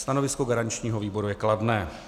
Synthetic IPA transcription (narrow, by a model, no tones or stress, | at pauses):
st̪anovɪskoɡaɾaɲt͡ʃɲiːɦoviːbo̞ɾujɛkladnɛː